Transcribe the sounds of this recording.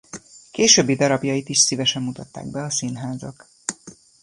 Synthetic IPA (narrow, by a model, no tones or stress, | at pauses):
keːʃøːbːid̪ɒɾɒbjɒjit̪iʃsivɛʃɛmmut̪ɒt̪ːa̰ːɡ̚bɛɒsinɦaːzɒk